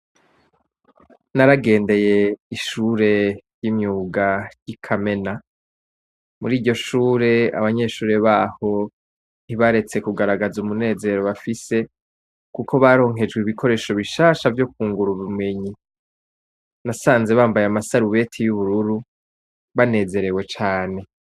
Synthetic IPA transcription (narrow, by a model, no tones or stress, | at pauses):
naɾaɡe̞ːnde̞je̞iʃuːɾe̞jimɲuːɡajikʰame̞na | muɾiːɟo̞ʃuːɾe̞a̰βaɲe̞ʃuːɾe̞βaːho̞ | n̥hiβaɾe̞t͡se̞kuɡaɾaɡazumune̞ːze̞ɾo̞βafise̞ | kukʰo̞βaɾo̞ːŋ̥ɦe̞d͡ʒɡwiβikʰo̞ɾe̞ːʃo̞βiʃaːʃavjo̞k̚uːŋɡuɾuβimwe̞ɲi | nasaːnze̞βaːmbajamasaɾuβe̞tʰijuβuɾuɾu | βane̞ːze̞ɾe̞wet͡ʃaːne̞